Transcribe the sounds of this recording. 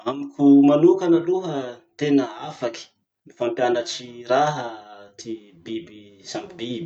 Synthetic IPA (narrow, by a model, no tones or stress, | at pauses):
amikʲumanukanəluɦənt̪enəafaki̥ | nifampjanaʈ͡ʂiɾaɦət̪i | bibisamibibi